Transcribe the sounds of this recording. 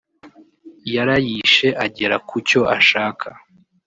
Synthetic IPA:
jaɾajiʃe̞ʔaɟe̞ɾakuco̞ʔaʃaːkʰa

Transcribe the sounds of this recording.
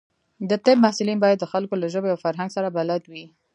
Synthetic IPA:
d̪ət̪ɪb̚mahsʊlinbɑjad̪ːəxalkolaʒəbeawfaɾɦaŋɡsaɾabalad̪wi

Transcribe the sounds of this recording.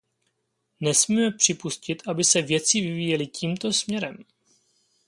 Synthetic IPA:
nɛsmiːmɛpr̝̥ɪpuscɪt̪ʔabɪsɛvjɛt͡sɪvɪviːjɛlɪciːmt̪o̞smɲɛɾɛm

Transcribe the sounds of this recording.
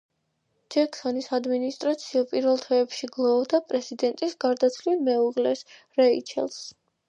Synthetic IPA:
d͡ʒɛkʰsɔnisad̪minist̪ʼɾat̪sʰiɔpʼiɾvɛlˠt̪ʰɛːpʃiɡlˠɔd̪apʼɾɛzid̪ɛnt̪ʼisɡ̥aɾd̪at̪sʰlilmɛuʁlɛs | ɾɛit͡ʃʰɛ̰lˠs

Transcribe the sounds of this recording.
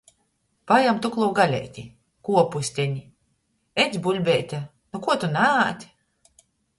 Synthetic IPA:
pajamt̪uklˠuwɡalʲɛ̰jt̪ʲi | kuɔpusʲt̪ʲɛɲʲi | ɛzʲbulʲbʲɛːt̪ʲa | nukuɔt̪unæːt̪ʲ

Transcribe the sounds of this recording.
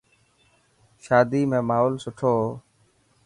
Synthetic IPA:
ʃaːd̪iːmẽːmaːɦoːlsʊʈʰoː

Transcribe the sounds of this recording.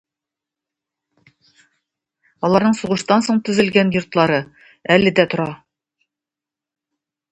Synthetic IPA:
ɒlˠɑɾnɤɴsuʁɤ̆ʃt̪ɑnsoɴt̪ɵ̆zɘ̆lɡænjŏɾt̪lˠɑɾɤ | ælɘ̆d̪æt̪ŏɾɑ

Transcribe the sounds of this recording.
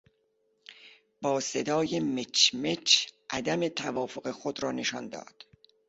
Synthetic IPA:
b̥ɒːse̞d̪ɒːjemet͡ʃmet͡ʃʔæd̪æme̞t̪ʰævɒːfo̞ɣe̞xod̪ɾɒːne̞ʃɒ̰nd̪ɒ̰ːd̪̥

